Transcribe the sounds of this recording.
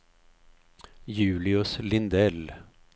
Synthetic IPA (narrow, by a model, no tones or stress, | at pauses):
jʉːlɪʊslɪnd̪ɛl